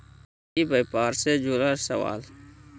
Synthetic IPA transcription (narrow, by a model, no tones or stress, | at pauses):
iːbəjpaːɾseːd͡ʒuːlaːsəʋa̰ːl